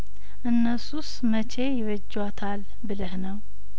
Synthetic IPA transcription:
ʔɨnːəsus | mət͡ʃʰe̞jɪβəd͡ʒːwat̪ʰal | bɨləhnəw

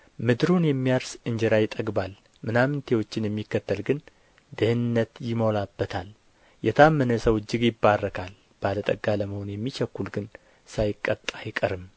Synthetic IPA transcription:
mɨd̪ɾunjɛmːijaɾsɨɲd͡ʒɛɾajɪt̪ʼəɡbal | mɨnamnt̪ʰewo̞t͡ʃːɪnjɛmːikːət̪ʰːəlɡɨn | d̪ɨhɨnɨnːət̪jɪmo̞labːət̪ʰal | jɛt̪ʰamːənəsəwɨd͡ʒːɪɡjɪbːarːəkʰal | b̥alət̪ʼəɡːaləməho̞njɛmːit͡ʃɛkːulɡɨn | sajɪkʼːət̪ʼːajɪkʼəɾɨm

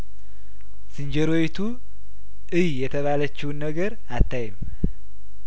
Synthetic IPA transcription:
sɨɲd͡ʒəɾojt̪ʰu | ɨjjɛt̪ʰəβalət͡ʃːɪwnːəɡəɾ | at̪ːajɪm

